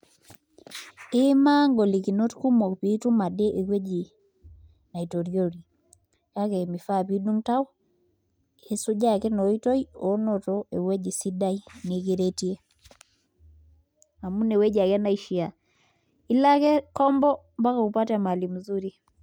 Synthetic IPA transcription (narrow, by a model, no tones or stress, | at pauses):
emaŋɡolikinotkumoβitumaɗɛʔekwed͡ʒi | naitoɾjoɾi | kakɛmifaβiɗuŋtao | esuʄakɛnɔitɔiɔnɔtɔewɛʄisidainekeɾetie | amunewɛd͡ʒakɛnaiʃia | ilakɛkɔmbɔ | mbakaupatɛmalimuzuɾi